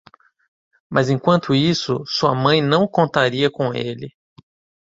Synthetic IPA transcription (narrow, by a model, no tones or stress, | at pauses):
mʔɐzẽkwɐ̃nt̪ʊisʊsuɐ̰mɐ̃j̃nɐ̃w̃kõnt̪aɾiɐkõw̃ḛlɪ